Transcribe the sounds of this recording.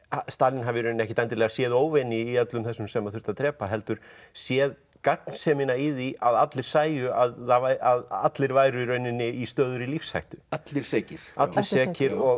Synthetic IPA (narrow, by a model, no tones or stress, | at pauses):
ast̪aːlinɦavɪɾʏnɛhcɪ̥t̪ɛjnt̪ɪɾlɛɣasjɛːðoːwvɛnɪːat̪lʏmθɛsːʏmsɛmaðθʏɾ̥t̪aðt̪ʰɾɛːpaɦɛlt̪ʏɾ̥ | sjɛːð | kaknsɛːmɪnaiðiaðat̪lɪɾ̥saːjʏaðːavaaða̰t̪lɪɾvaːjɾʏɾœɥnɪnːɪist̪œːðʏɾilifsha̰jht̪ʏat̪lɪɾ̥sɛːcɪɾ̥at̪lɪɾ̥sɛːcɪɾɔɣ